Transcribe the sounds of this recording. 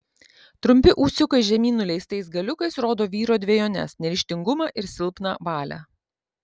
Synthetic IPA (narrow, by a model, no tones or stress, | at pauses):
t̪ɾʊmʲpʲɪʔuːsʲʊkɐɪʒʲɛmʲiːnʊlʲɛɪst̪ɐɪsɡɐlʲʊkɐɪsɾoːd̪oːʋʲiːɾoːd̪ʲʋʲeɛjoːnʲɛ̰snʲɛɾʲɪʃʲt̪ʲɪŋɡʊmɑʔɪɾsʲɪlˠpnɐʋɑːlʲæ̰ː